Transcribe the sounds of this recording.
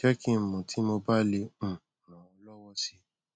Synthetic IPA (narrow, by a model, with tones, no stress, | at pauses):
ɛ˦kĩ˦˨mɔ̃˨tʰi˨˦mo˧ba˦le˧ũ˦˨nã˨wɔ˧˦lɔ˦wɔ˦si˧˦